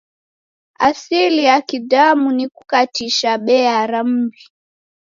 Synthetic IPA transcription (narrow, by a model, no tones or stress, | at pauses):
asilijakidamunikukatiʃaɓɛaɾam̩bi